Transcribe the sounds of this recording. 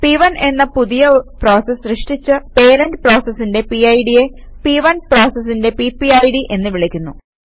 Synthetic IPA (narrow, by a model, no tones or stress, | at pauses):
piʋɐne̞nːɐpuðijɐpro̞ːsɐsrɨʂʈit͡ɕːɨpe̞ːɾɐndpro̞ːsɐsːinde̞piɐjɽije̞piʋɐnproːsɐsːinde̞pipːiɐjɽiʔe̞nːɨʋiɭikʲːunːu